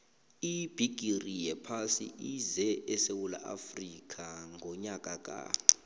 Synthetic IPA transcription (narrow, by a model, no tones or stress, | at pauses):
ib̥ʱiɡ̥ʱʼirijɛpʰasḭizɛʔɛsewula̰ʔafrikʼʰaŋʱɔɲakʼakʼa̰